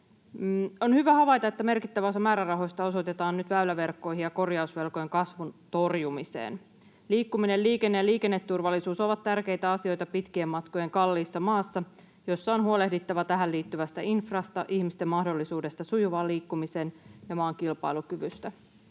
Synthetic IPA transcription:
o̞nhyʋæhɑʋɑjt̪ɑe̞t̪ːæme̞rkit̪ːæʋæsɑmæːɾærɑɦo̞st̪ɑo̞so̞t̪et̪ɑːnnyt̪ʋæylæʋe̞rkːo̞jɦijɑko̞rjɑusʋe̞lkoje̞ŋkɑsʋunt̪o̞rjumisḛːn | liːkːumine̞lliːke̞nːejɑliːke̞nːet̪ːurʋɑlːisuːsoʋɑt̪t̪ːærke̞jt̪æɑsio̞jt̪ɑpit̪kiemːɑt̪ko̞je̞ŋkɑlːiːsːɑmɑːsːɑ | jo̞sːɑonɦuo̞le̞hdit̪ːɑʋɑt̪æɦæliːt̪ːyʋæst̪æinfrɑst̪ɑʔihmist̪emːɑhdo̞lːisuːde̞st̪ɑsujuʋɑːliːkːumise̞ːnjɑmɑːŋkilpɑ̰ilukyʋyst̪æ

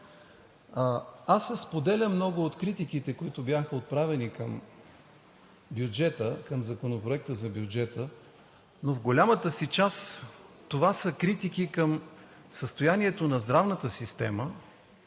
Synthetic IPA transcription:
asːɛspod̪ɛlʲəmnɔɡʊot̪kɾit̪ikit̪ɛkoit̪ʊbjaxəot̪̚pɾavɛnikəm | bjʊd͡ʒɛt̪əkəmzɐkonopɾoɛk̚t̪əzɐbjʊd͡ʒɛt̪ə | novɡolʲamət̪əsit͡ʃas | t̪ovasəkɾit̪ikikəm | səst̪ojaniɛt̪onɐzd̪ɾavnət̪əsist̪ɛmə

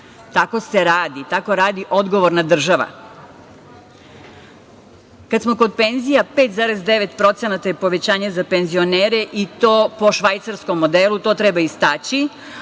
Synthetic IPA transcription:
t̪ako̞seɾaːd̪it̪ako̞ɾaːd̪iʔo̞d̪ɡo̞ʋoɾnad̪r̩ʒaʋa̰ | kad̪smo̞ko̞d̪̚pe̞nzijape̞ːt̪zaːɾezd̪e̞ʋe̞t̪pɾo̞t̪senat̪ajepo̞ʋe̞t͡ɕaːɲazape̞nzio̞neːɾeʔit̪oːpo̞ʃʋajt̪saɾsko̞mːo̞d̪elˠut̪o̞ːt̪ɾebaist̪aːt͡ɕi

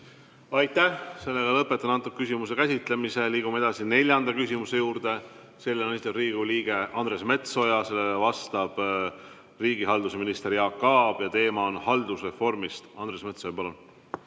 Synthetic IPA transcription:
ɑjt̪ːæhse̞lːe̞ɡ̥ɑlɤpːet̪ːˑɑnɑnt̪uk̚kysʲimus̬e̞kæsʲit̪le̞mise̞liːɡ̥umee̞d̪ɑsine̞lʲjɑnd̪ɑkysʲimuse̞juːɾd̪e̞ | se̞lːenesit̪ːˑɑbriːɡ̥uliːɡ̥e̞ʔɑnd̪̥re̞sme̞t̪so̞jɑse̞lːeɑvɑst̪ɑb̥ | riːɡ̥iɦɑld̪use̞minist̪e̞ɾjɑːkːɑːb̥jɑt̪e̞ːmɑonhɑld̪̥usre̞fo̞rmist̪ɑnd̪ɾre̞sme̞t̪so̞jɑpɑlun

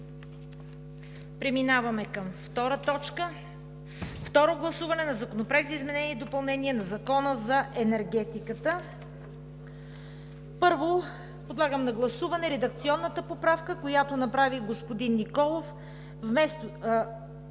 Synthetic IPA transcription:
pɾɛminavɐmɛkɐmft̪ɔɾət̪ɔt͡ʃkə | ft̪ɔɾoɡlˠɐsuvɐnɛnɐzɐkonopɾɛɡzɐizmɛnɛnid̪opɐlˠnɛniɛnɐzɐkɔnəzɐʔɛnɛɾɡ̟ɛt̪ikət̪ə | pɤɾvo | pod̪lˠaɡəmnɐɡlˠɐsuvɐnɛɾɛd̪ɐk̚t̪siɔnːət̪əpopɾafkəkojat̪onɐpɾaviɡospod̪inːikɔlˠof | vmɛst̪

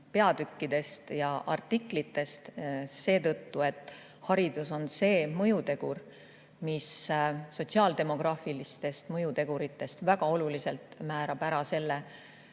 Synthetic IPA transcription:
pe̞ɑd̪ykːid̪̥e̞st̪jɑʔɑ̰rt̪ːˑiklit̪ːe̞st̪se̞ːt̪ɤt̪ːue̞t̪ˑː | hɑɾid̪̥uso̞nse̞ːmɤjut̪e̞ɡ̥ur | misso̞tʲsiɑːld̪e̞mo̞ɡ̥rɑːfilist̪e̞st̪mɤjut̪e̞ɡ̥uɾit̪ːˑe̞st̪væɡ̥ɑo̞lulise̞lt̪mæːɾɑb̥æɾɑse̞lːe

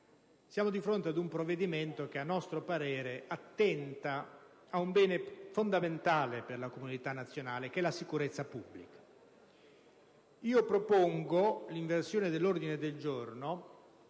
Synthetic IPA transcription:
sjaːmod̪ifɾont̪ead̪umpɾovːed̪iment̪ok̟eanːɔst̪ɾopaɾɛːɾeat̪ːɛnt̪aː | umbɛːnefond̪ament̪aːleperlakomunit̪anːat̪sːjonaːlek̟ɛlasikuɾet̪sːapubːlikḁ | iːopɾopoŋɡoliɱversjoːned̪elːord̪ined̪eld͡ʒorno

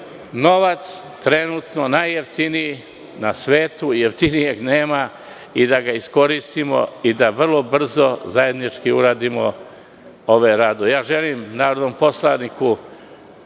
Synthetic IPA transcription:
no̞ʋat̪s | t̪ɾe̞nut̪nonajeft̪iniji | nasʋe̞ːt̪ujeft̪inije̞ɡneːma | id̪aɡaisko̞ɾist̪imo̞̰id̪aʋr̩lˠo̞br̩zo̞zaje̞d̪nit͡ʃkiuɾaːd̪imo̞̰ | oʋeɾaːd̪ojaːʒe̞liːmnaːɾod̪ompo̞slaniku

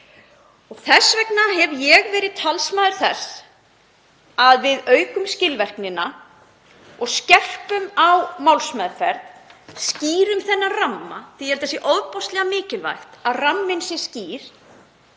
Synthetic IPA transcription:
ɔɣθɛsvɛknaɦɛvjɛɣvɛːɾɪðt̪ʰalsmaːðʏɾ̥θɛs | aðvɪðœːɥkʏmscɪlvɛr̥knɪna | ɔɣscɛr̥pʏmawmawlsmaðfɛɾt̪sciːɾʏmθɛnːaramːa̰θiɛɾ̥t̪ɛsjɛʔɔðpɔst̪lɛɣamɪːcɪlva̰jxt̪aðramːɪnsjɛ̥sciːɾ̥

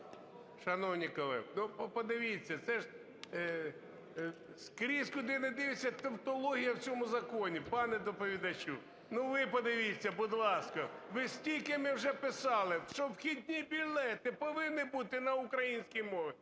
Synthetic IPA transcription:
ʃɐnɔwnʲikɔlˠɛ̰nupɔpɔd̪ɪʋʲit͡sʲːɐt̪sɛʒ | skɾʲiskʊd̪ɪnɐd̪ɪʋɪt͡sʲːɐt̪ɐwt̪ɔlˠɔɦʲijɐwt͡sʲɔmʊzɐkɔnʲipɑnɛd̪ɔpɔʋʲid̪ɐt͡ʃu | nuʋɪpɔd̪ɪʋʲit͡sʲːɐbʊd̪lˠɑskɐʋɪsʲtʲilʲkɪmɪwʒɛpɪsɑlˠɪʃɔbxʲid̪ʲnʲibʲilʲlɛt̪ɪpɔʋɪnːɪbut̪ɪnɐʊkɾɐjinʲsʲkʲijmɔʋɪ

